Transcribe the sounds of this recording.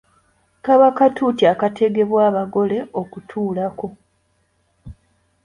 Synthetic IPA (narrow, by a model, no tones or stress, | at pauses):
kaβakatʰutiakate̞ɡe̞βwaːβaɡo̞le̞o̞kutʰuːlako̞